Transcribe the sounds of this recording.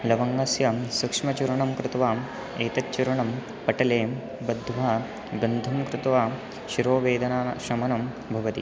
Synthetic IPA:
lɐʋɐŋɡɐsjɐsukʂmɐt͡ʃuɾɐɳɐmkɾɪt̪ʋaː | eːt̪ɐtːt͡ʃːuɾɐɳɐm | pɐʈɐleː | bɐd̪ʱʋaː | bɐnd̪ʱɐmkɾɪt̪ʋaː | ʃiɾoːʋeːd̪ɐnaːɐʃɐmɐnɐm | bʱɐʋɐt̪ḭ

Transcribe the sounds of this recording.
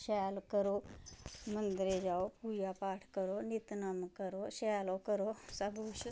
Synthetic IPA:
ʃɛːlkəɾoː | mə̃nd̪ɾed͡ʒaːopuːd͡ʒaːpaːʈʰkəɾoːnit̪nəmkəɾoːʃɛːloːkəɾoːsəbuːʃ

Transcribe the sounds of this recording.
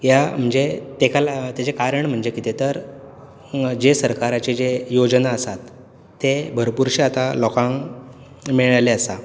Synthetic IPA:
jam̤əɳd͡zet̪ekalat̪jat͡sekaɾəɳm̤əɳd͡zekit̪et̪əɾ | d͡ʑesəɾkaɾat͡ɕed͡ʑejod͡znaəsat̪ː | ebʱəɾpuɾɕiat̪alɔkãŋ | miɭajleəsa

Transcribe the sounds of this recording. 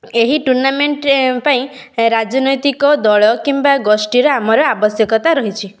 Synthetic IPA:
eɦiʈuɾnameɳʈpaĩ | ɾad͡ʒɔnɔjt̪ikɔd̪ɔɭɔkimbaɡɔsʈiɾɔamɔɾɔabɔsjɔkɔt̪aɾɔɦit͡ʃʰi

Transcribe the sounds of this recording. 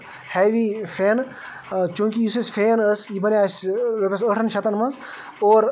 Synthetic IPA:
heːʋifʰeːn | kũːkʲiisisʲfʰeːnəsjibɐnʲaːsʋepʲɐs̬əʈʰɐnʃɐt̪ɐnmɐnz | oːɾ

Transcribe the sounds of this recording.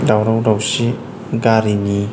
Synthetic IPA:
dawɾawɾawsi | ɡaɾini

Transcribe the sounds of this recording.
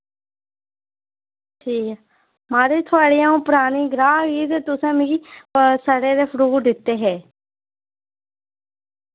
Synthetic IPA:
d͡ʒiː | maːɾeːt̪ʰʊaːɽiːãːũːpʊɾaːniːɡɾaːɡiːt̪eːt̪ʊsãːmiɡisəɽeːɾeːpʰəɾuːd̪ɪt̪ːeːɦɛː

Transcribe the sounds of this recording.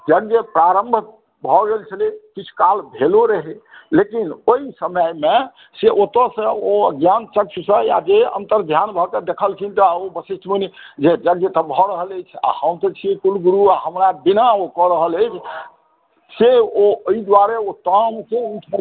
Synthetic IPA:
d͡ʒəɡjəpɾaɾəmbʱ | bʱɔɡelt͡ʃʰəlekit͡ʃʰu̥kalbʱeloɾeɦelekinoisəməjme | seʔot̪əsə̃oəɡjant͡ʃək̚t͡ʃʰsə̃ja̰d͡ʒeə̰nt̪əɾd̪ʱjanbʱɔked̪ekʰəlkʰint̪ɔobəsisʈʰminid͡ʒed͡ʒəɡjət̪ɔbʱɔɾəɦələt͡ʃʰa̰həmt̪ət͡ʃʰikulɡuɾuaɦəmɾabinaokɔɾəɦələjt͡ʃʰ | seoəid̪waɾeot̪amseut̪ʰə

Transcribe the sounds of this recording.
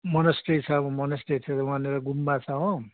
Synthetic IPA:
mʌnʌsʈet͡sʰʌmʌnʌsʈet͡sʰʌwaneɾʌɡumːat͡sʰʌɦõ

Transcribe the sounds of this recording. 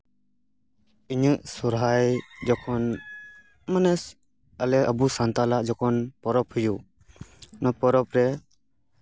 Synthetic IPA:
iɲəʔsɔɾɦajd͡ʒɔkʰɔn | mənɛs | əlɛəbusant̪alad͡ʒɔkɔnpɔɾɔphuju | nɔpɔɾɔpɾɛ

